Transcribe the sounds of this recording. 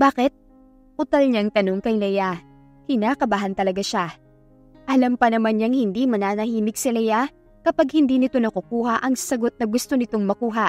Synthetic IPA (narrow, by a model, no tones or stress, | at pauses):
baːkɛt̪̚ | ʔʊt̪ɐlɲaŋt̪ɐno̞ŋkɐjlɐja | kɪnaːkɐbaɦɐnt̪ɐlɐɡaʃa | ʔɐlɐmpɐnɐmanɲɐŋhɪnd̪imɐnaːnɐhiːmɪɡsɪlɐja | kɐpaɡ̚hɪnd̪iːnɪt̪o̞nɐkʊkuːhɐʔɐŋsɐɡo̞t̪̚nɐɡʊst̪o̞nɪt̪o̞ŋmɐkuːɦɐ